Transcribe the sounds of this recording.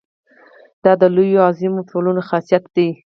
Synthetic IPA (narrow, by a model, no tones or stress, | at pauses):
d̪̥ɑd̪əlojoɑzimoʈʰolunoxasijat̪̚d̪i